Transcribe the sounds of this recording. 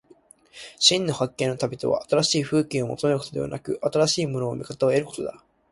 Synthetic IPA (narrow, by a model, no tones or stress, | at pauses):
ɕĩnːo̞hakːẽ̞nːo̞t̪abʲit̪o̞βa̰ːt̪aɾaɕiːɸɯ̟ːkʲĩo̞mo̞̰t̪o̞meɾkot̪od̪e̞a̰nakɯ̟ʔat̪aɾaɕiːmo̞no̞̰ːmʲikat̪aoe̞ɾɯ̟ko̞t̪o̞d̪a